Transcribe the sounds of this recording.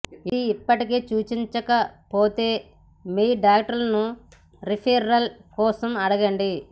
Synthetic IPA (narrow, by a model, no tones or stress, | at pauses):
iiːpːɐʈike̞ːt͡ʃuːt͡ʃiɲt͡ʃɐkɐpoːt̪e̞ː | miːɖaːk̚ʈɐɾlɐnu | ɾipʰɐjɾɐlkɔːsɐmɐɽɐɡɐɳɖi